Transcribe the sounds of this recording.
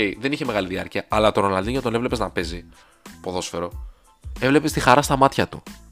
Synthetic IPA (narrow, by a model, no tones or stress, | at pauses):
eiðe̞niçeme̞ɣɐliðiɐɾciɐʔɐlɐt̪onolɐnd̪iɲot̪onevle̞pznɐpe̞zi | po̞ðo̞sfe̞ɾo̞ | e̞vle̞pe̞st̪ixɐɾɐst̪ɐmɐt̪çɐt̪ṵ